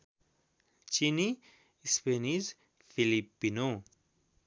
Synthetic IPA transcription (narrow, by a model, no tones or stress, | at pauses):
t͡ʃini | speniz | filipːino